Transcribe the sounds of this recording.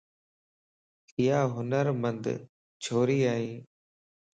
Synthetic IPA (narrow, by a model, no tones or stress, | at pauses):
ɪɦaːɦʊnəɾmənd̪ | t͡ʃʰoːɾiːaːɦĩː